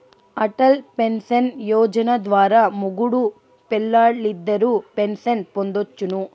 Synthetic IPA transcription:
ɐʈɐlpensɐnjɔːd͡ʒɐnɐd̪ʋaːɾaːmuɡuɽu | pɛlːaːɽlid̪ːɐɾupensɐnpo̞nd̪ot͡ʃːunu

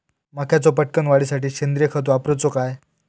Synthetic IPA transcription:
makʰjat͡sɔpəʈkənʋaɭiːsaʈiːɕend̪ɾijəkʰət̪uapɾot͡sɔkaj

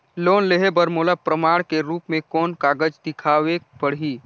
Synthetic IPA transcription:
loːnleɦebəɾmoːlapɾəmaːɽ̃keɾuːpmẽkɔːnkaːɡəd͡ʒd̪ɪkʰaːʋebəɽɦiː

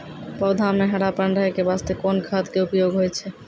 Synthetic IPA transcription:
pɔd̪ʱameɦəɽapənɾəɦekebast̪ekonkʰat̪keupjoɡɦojt͡ʃʰɛ

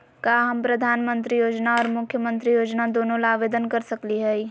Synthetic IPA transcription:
kaːɦɐmpɾɐd̪ʱaːnmə̃nt̪ɾijoːd͡ʒnaɔːɾmʊkʰːjəmə̃nt̪ɾijoːd͡ʒnad̪oːnõlaːʋeːd̪ənkɐɾsɐkliɦɛi

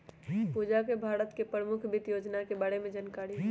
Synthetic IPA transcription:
puːd͡ʒakebʱaːɾət̪kepɾəmʊkʰbɪt̪joːd͡ʒnakebəɽemẽd͡ʒankaːɽiɦɛ

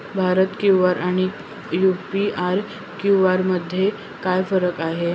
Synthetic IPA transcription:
bʱaɾət̪kjuʋaɾʔaɽ̃i | jupiaɾ | kjuʋaɾməd̪ʱːje | kajfəɾəkaɦe

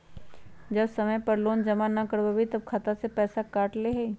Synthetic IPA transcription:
d͡ʒɐbsɐməjpɐɾloːnd͡ʒɐmanɐkəɾbabʱit̪ɐb̚kʰaːt̪asepɛːsakaːʈleɦei

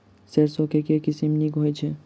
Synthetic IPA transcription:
seɾsõkekekisimnikɦojt͡ʃʰe

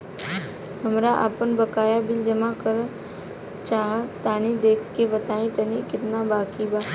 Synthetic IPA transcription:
həmɾaʔa̰ːpənbəkaːjabɪld͡ʒəmakəɾ | t͡ʃaːɦat̪aːñĩd̪eːkʰkːebət̪aːĩt̪ɐnĩkɪt̪nabaːkibaː

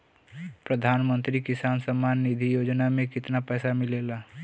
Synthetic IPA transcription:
pɾəd̪ʱaːnmə̃nt̪ɾikɪsaːnsəmːaːnːɪd̪ʱijoːd͡ʒnamẽkɪt̪napɛːsamɪlela

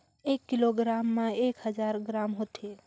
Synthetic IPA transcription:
ekːiloɡɾamːãekɦəd͡ʒaɾɡɾamɦot̪e

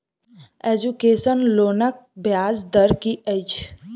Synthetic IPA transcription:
ed͡ʒukeːsənloːnək̚bjaːzd̪əɾkiʔət͡ʃ

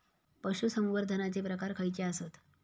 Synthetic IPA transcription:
pəɕusəmuʋəɾd̪ʱənat͡sepɾəkaɾkʰəjt͡ɕeasot̪

